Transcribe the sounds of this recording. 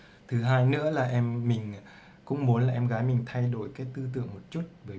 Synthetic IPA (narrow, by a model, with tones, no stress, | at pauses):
t̪ʰɨ˨˦ɦaː˧jnɨ̰˧˥əlaː˨˩ʔɛ˧mːï˨˩ŋ̟˨ | kʊ̰˧˥ŋ͡mmu˨˦ənlaː˨˩ʔɛ˧mɣaː˨˦jmï˨˩ŋ̟t̪ʰa˧jɗo˧˩jkaː˨˦jt̪ɨ˧t̪̬ɨ̰˧˨əŋmo˨˩t̚t͡ɕu˦˥t̚vəː˨˦